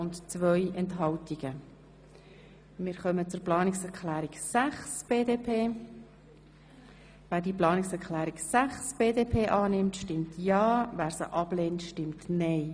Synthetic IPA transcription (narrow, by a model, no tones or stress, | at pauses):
ʊntt͡sʋœjʔɛntɦɑltiɡ̥ə | mɪːɾχœmət͡sʊɾplɑːnɪksɛɾklæːɾiksæχsb̥eːdeːpʰeː | væːɾdiːplɑːnɪksɛɾkʰlæːɾiksæχsb̥eːdeːpʰeːʔɑːnɪmtʃtɪmtʰjɑːvæːɾsə̰ʔɑbleːntʃtɪmtnɛɪ